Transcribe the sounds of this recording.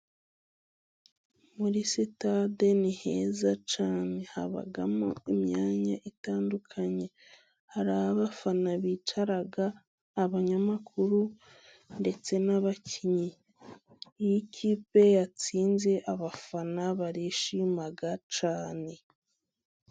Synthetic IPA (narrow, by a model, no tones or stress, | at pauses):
muɾisitade̞nihe̞ːzat͡ʃaːne̞ha̰βa̰ɡa̰moimɲaːɲaʔitaːndukʰaɲe̞ | haɾahaβafanaβiːt͡ʃaɾaɡaː | βaɲamakʰuɾu | nde̞t͡se̞naβacʰiɲiː | jikʰiːpe̞jat͡siːnze̞ʔaβafanaβaɾiʃimaɡat͡ʃaːne̞